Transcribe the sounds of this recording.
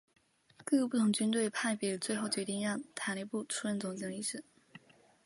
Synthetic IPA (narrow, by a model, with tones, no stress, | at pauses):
kɤ˥˧˥pu˥˩t̪ʰʊ˧˥ŋt͡ɕy˥nt̪̬we˥˩ɪpʰa˥˩ɪpjɛ˧˩lə˦t͡swe˥˧ɪxo˥˩ʊt͡ɕjɥɛ˧˥t̪i˥˧ŋ˥jɑ˥˩t̪ʰa˨˧˥le˥˧pu˥˩ʈ͡ʂʰu˥ɻə˥˩nt͡sʊ˧˥ŋt͡ɕi˧˩˧li˥˩ʂɻ̩˨˩˦